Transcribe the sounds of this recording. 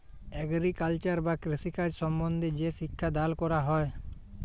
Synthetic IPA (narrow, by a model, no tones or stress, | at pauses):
ɛɡɾikalt͡ʃaɾbakɾisikad͡ʒsɔmbɔnd̪ʱed͡ʒeʃikʰːad̪alkɔɾaɦɔe